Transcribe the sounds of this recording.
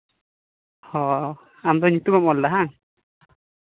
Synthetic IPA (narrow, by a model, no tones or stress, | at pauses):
hɔ | amd̪ɔnit̪umamɔldaɦaŋ